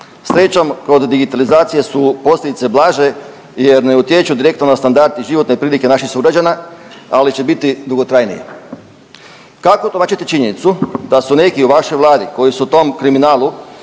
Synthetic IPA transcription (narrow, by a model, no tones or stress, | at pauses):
sɾe̞t͡ʃamko̞d̪ːiɡit̪alizaːt̪sije̞supo̞slʎʲed̪it̪se̞blˠaːʒe̞ | je̞ɾneut̪je̞t͡ʃud̪iɾe̞k̚t̪nonast̪and̪aɾd̪iʒiʋo̞t̪nepɾiːlike̞naʃixsuɡɾad͡ʑanaalit͡ɕe̞bit̪id̪uɡo̞t̪ɾajnḭjḛ | kakot̪omaːt͡ʃit̪et͡ʃiɲe̞nit̪sud̪asune̞kiuʋaʃo̞jʋlˠaːd̪iko̞jisut̪o̞mkɾiminaːlˠu